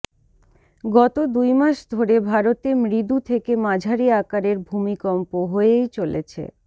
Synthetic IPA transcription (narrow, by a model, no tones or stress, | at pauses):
ɡɔt̪od̪ujmaʃd̪ʱoɾebʱaɾot̪emɾid̪ut̪ʰekemad͡ʑʱaɾiakaɾeɾbʱumikɔmpoɦoejt͡ɕolḛt͡ɕʰḛ